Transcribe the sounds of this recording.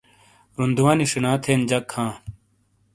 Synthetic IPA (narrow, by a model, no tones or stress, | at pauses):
ɾund̪uwaːniʂinãːt̪ʰeːnd͡ʑɐkʰːãː